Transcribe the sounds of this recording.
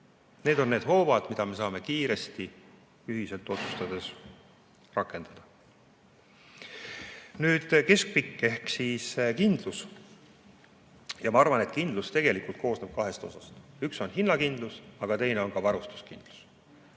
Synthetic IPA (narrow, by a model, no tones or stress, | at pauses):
ne̞ːd̪o̞nːe̞ːd̪̥ho̞ːvɑd̪̥mid̪ɑme̞s̬ɑːme̞kiːɾe̞st̪i | yɦise̞lt̪ːˑo̞t̪su̥st̪ɑd̪e̞s | rɑkːˑe̞nd̪̥ɑd̪̥ɑ | nyːd̪̥ke̞sk̚pikːe̞hksiːskind̪̥lus | jɑmɑɑɾvɑne̞t̪kind̪lust̪e̞ɡe̞likult̪̚ko̞ːsneb̥kɑɦe̞st̪o̞̰sɑst̪ykso̞nɦinːɑkind̪̥lusɑɡ̥ɑt̪e̞jne̞o̞nkɑvɑɾust̪u̥skind̪̥lu̥s